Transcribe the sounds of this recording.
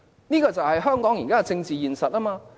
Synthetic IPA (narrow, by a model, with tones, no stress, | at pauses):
niː˥kɔː˧t͡sɐ˨whɐ˨jɦœː˥ŋkɔː˨˥ŋjiː˨˩kaː˥˧t͡sɪ˧ŋt͡siː˨jiː˨˩nsɐ˨t̚ʔaː˥maː˧